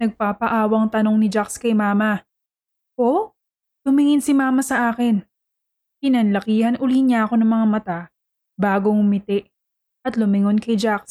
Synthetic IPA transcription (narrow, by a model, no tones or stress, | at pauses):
nɐɡ̚papɐʔaːwɐŋt̪ɐno̞ŋnɪd͡ʒakskɐjmaːmɐ | ʔo | t̪ʊmɪŋɪnsɪmaːmɐsɐʔaːkɪn | pɪnɐnlɐkiːhɐnʔʊliɲaʔɐko̞nɐŋmɐŋamɐt̪a | baːɡo̞ŋʊmɪt̪ɛʔ | ʔɐt̪lʊmɪŋonkɐjd͡ʒaks